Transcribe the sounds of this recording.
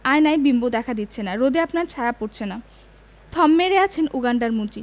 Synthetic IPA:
ajnajbimbod̪ɛkʰad̪it̪ːɕʰenaɾod̪iapnaɾt͡ɕʰajapoɾt͡ɕʰena | t̪ʰɔmːeɾeat͡ɕʰenuɡaɳɖaɾmud͡ʑi

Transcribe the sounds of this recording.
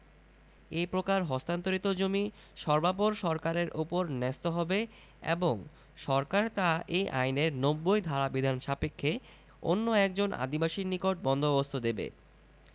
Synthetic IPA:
epɾokaɾɦɔst̪ant̪oɾit̪od͡ʑomi | ʃɔɾbap̬oɾʃɔɾkaɾeɾʔupoɾnɛst̪oɦɔbe | ḛboŋ | ʃɔɾkaɾt̪aejʔa̰jneɾnobːojd̪ʱaɾabid̪ʱanʃapekʰːe | o̰nːoɛk̚d͡ʑona̰d̪ibaʃinikoʈ̚bɔnd̪ʱobost̪ʰod̪ebḛ

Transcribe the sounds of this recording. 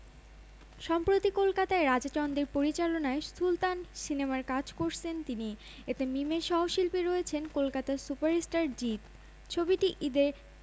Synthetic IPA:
ʃɔmpɾot̪ikolkat̪aeɾad͡ʑat͡ɕɔnd̪iɾpoɾit͡ɕalonaesult̪ansinemaɾkad͡ʑkoɾt͡ɕʰent̪ini | et̪emimeʃɔɦoʃilpeɾɔet͡ɕʰenkolkat̪asupaɾesʈaɾd͡ʑit̪ | t͡ɕʰobiʈiʔid̪eɾ

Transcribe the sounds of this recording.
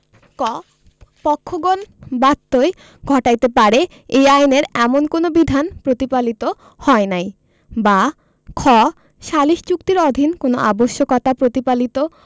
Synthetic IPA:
kɔ | pɔkʰːoɡonbat̪ːoe | ɡʱɔʈajt̪epaɾe | ejajneɾɛmonkonobid̪ʱanpɾot̪ipalit̪o | hɔenaj | ba | kʰɔ | ʃaliʃt͡ɕukt̪iɾɔd̪ʱinkonoʔa̰boʃːokɔt̪apɾot̪ipalit̪o

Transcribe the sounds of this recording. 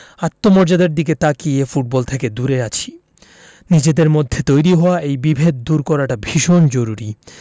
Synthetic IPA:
at̪ːomɔɾd͡ʑad̪eɾd̪iket̪akiefuʈ̚bɔlt̪ʰeked̪uɾeat͡ɕʰi̥ | nid͡ʑed̪eɾmod̪ʱːet̪ojɾiɦɔoaʔejbibʱed̪̚ːuɾkɔɾaʈabʱiʃond͡ʑoɾuɾi

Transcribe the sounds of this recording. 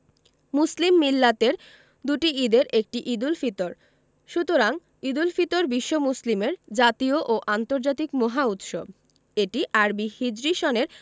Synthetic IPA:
muslimːilːat̪eɾ | d̪uʈiid̪eɾʔek̚ʈiʔid̪ulfit̪oɾ | ʃut̪oɾaŋ | id̪ulfit̪oɾbiʃːomuslimeɾd͡ʑat̪ioʔoʔant̪oɾd͡ʑat̪ikmoɦaut̪ʃob̚ | eʈiʔaɾbihid͡ʑɾiʃoneɾ

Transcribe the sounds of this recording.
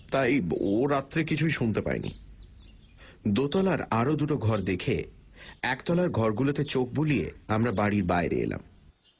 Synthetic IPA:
t̪ajoɾat̪ːɾekit͡ɕʰujʃunt̪epa̰ḛnḭ | d̪ot̪ɔlaɾaɾod̪uʈoɡʱɔɾd̪ekʰe | ɛkt̪ɔlaɾɡʱɔɾɡulot̪et͡ɕok̚buliḛamɾabaɽiɾbaeɾḛḛla̰m

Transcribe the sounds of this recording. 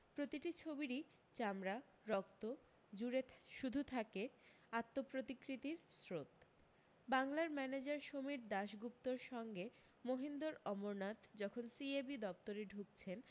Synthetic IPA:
pɾot̪iʈit͡ɕʰobiɾi | t͡ɕamɾa | ɾɔkt̪o | d͡ʑuɾeʃud̪ʱut̪ʰake | at̪ːopɾot̪ikɾit̪iɾsɾot̪ | baŋlaɾmɛned͡ʑaɾʃomiɾd̪aʃɡup̚t̪oɾʃɔŋɡe | moɦind̪oɾɔmoɾnat̪d͡ʑɔkʰonsiebid̪ɔpt̪oɾeɖʱuk̚t͡ɕʰen

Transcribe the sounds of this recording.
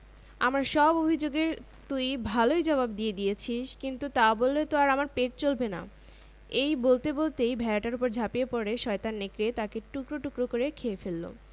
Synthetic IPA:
amɾaɾʃɔbobʱid͡ʑoɡeɾ | t̪ujbʱalojd͡ʑɔβabd̪ijed̪ijet͡ɕʰiʃkint̪ut̪abolːet̪oaɾamaɾpeʈ̚t͡ɕolbena̰ | ejbolt̪ebolt̪ejbʱɛaʈaɾupoɾd͡ʑʱapiepɔɾeʃɔet̪anːekɾet̪akeʈukɾoʈukɾokoɾekʰeefelːo̰

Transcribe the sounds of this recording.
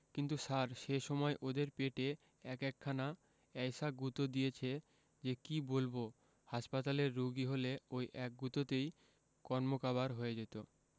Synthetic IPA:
kint̪usaɾʃeʃɔmɔeʔod̪eɾpeʈe | ɛkɛkʰːana | ɛjsaɡut̪od̪ijet͡ɕʰe | d͡ʑekibolbo | haʃpat̪aleɾːuɡiɦoleojʔɛk̚ɡut̪ot̪ej | kɔɾmokaβaɾɦoed͡ʑet̪o

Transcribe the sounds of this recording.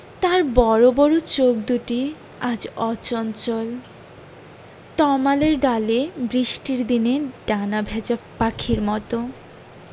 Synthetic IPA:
t̪aɾbɔɾobɔɾot͡ɕok̚d̪uʈi | ad͡ʑɔt͡ɕɔnt͡ɕol | t̪ɔmaleɾɖalebɾiʃʈiɾd̪ineɖanabʱɛd͡ʑapakʰiɾmɔt̪o

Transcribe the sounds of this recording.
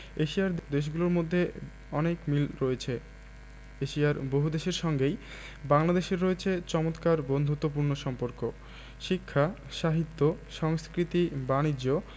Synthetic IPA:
eʃiaɾd̪d̪eʃ̬ɡuloɾmod̪ʱːe | ɔnekmilɾɔet͡ɕʰe | eʃiaɾboɦud̪eʃeɾʃɔŋɡej | baŋlad̪eʃeɾːɔet͡ɕʰet͡ɕɔmot̪kaɾbond̪ʱut̪ːopuɾnoʃɔmpoɾko | ʃikʰːaʃaɦit̪ːoʃɔŋskɾit̪ibanid͡ʑo

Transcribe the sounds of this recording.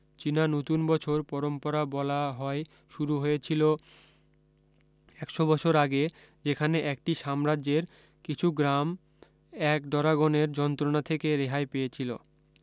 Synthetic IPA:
t͡ɕinanot̪unbɔt͡ɕʰoɾpɔɾompoɾabɔlaɦɔe | ʃuɾuɦojet͡ɕʰilo | ɛkʃobɔt͡ɕʰoɾaɡe | d͡ʑekʰaneʔɛk̚ʈiʃamɾad͡ʑeɾ | kit͡ɕʰuɡɾam | ɛkɖɔɾaɡoneɾd͡ʑɔnt̪ɾonat̪ʰekeɾeɦaepejet͡ɕʰilo̰

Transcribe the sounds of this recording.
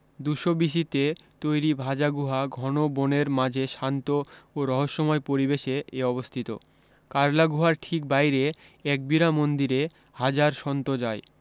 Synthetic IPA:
d̪uʃobiʃ̬it̪et̪ojɾibʱad͡ʑaɡuɦaɡʱɔnoboneɾmad͡ʑʱeʃant̪ooɾɔɦoʃːɔmɔepoɾibeʃeʔeɔβost̪ʰit̪o̰ | kaɾlaɡuɦaɾʈʰik̚bajɾe | ɛk̚biɾamond̪iɾe | had͡ʑaɾʃɔnt̪od͡ʑae

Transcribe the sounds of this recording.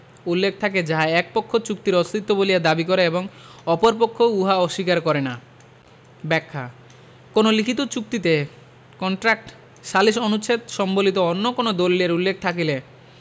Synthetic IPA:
ulːek̚ʰt̪ʰaked͡ʑaɦaɛk̚pokʰːot͡ɕuk̚t̪iɾɔst̪ʰit̪ːobolijad̪abikɔɾeeboŋɔpoɾpokʰːouɦaɔʃikaɾkɔɾena | bɛkʰːa̰ | konolikʰit̪ot͡ɕuk̚t̪it̪e | kɔɳʈɾak̚ʈ | ʃaliʃonut͡ɕʰet̪ʃɔmbolit̪oonːokonod̪olːeɾulːek̚ʰt̪ʰakile

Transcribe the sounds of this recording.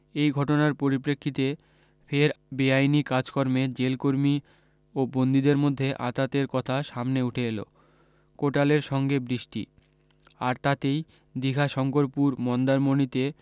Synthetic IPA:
ejɡʱɔʈonaɾpoɾipɾekʰːit̪e | pʰeɾbeajnikad͡ʑkɔɾmed͡ʑelkoɾmi | obond̪id̪eɾmod̪ʱːeʔa̰t̪at̪eɾkɔt̪ʰaʃamneuʈʰeelo̰ | koʈaleɾʃɔŋɡebɾiʃʈḭ | aɾt̪at̪ej | d̪iɡʱaʃɔŋkoɾpuɾmɔnd̪aɾmonit̪e

